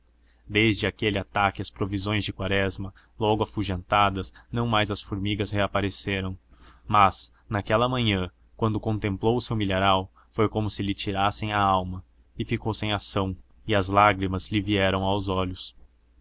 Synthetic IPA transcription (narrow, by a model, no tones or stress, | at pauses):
d̪ejzd͡ʒɪakelɪat̪akɪɐspɾovizõj̃zd͡ʒɪkwaɾɛzmɐ | lɔɡʊɐfuʒẽnt̪ad̪ɐznɐ̃w̃majzɐsfʊɾmiɡɐsheapaɾeseɾɐ̃w̃mɐz̥ | nakɛlɐmɐ̃ɲɐ̃ | kwɐ̃nd̪ʊkõnt̪ẽmplowʊsewmileɾaw | fojkõmʊsɪlɪt͡ʃiɾasẽj̃aawmɐ | ɪfikowsẽj̃asɐ̃w̃ | ɪɐzlaɡɾimɐzlɪviɛɾɐ̃w̃awzɔʎʊs